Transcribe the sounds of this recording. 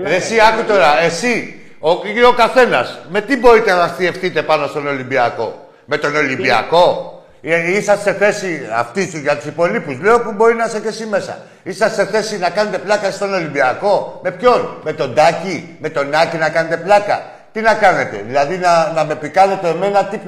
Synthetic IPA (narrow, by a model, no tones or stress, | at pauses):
esiɐkut̪o̞ɾɐe̞si | ookaθe̞nɐsme̞t̪ibo̞ɾit̪enɐmɐst̪ie̞fθit̪e̞pɐno̞st̪o̞no̞limbiɐko̞ | me̞t̪o̞no̞limbiɐ̰ko̞ | isɐsːe̞θe̞siɐa̰ft̪isuʝɐt̪u̥sipo̞lipuzle̞o̞pubo̞ɾinɐseθesime̞sɐ̰ | isɐsːe̞θe̞sinɐkɐne̞t̪e̞plɐkɐst̪o̞no̞limbiɐko̞me̞pço̞nme̞t̪o̞nd̪ɐci | me̞t̪o̞nɐcinɐkɐne̞t̪e̞plɐkɐ̰ | t̪inɐkɐne̞t̪e̞̰ðilɐðinɐnɐme̞pikɐne̞t̪eme̞nɐt̪ip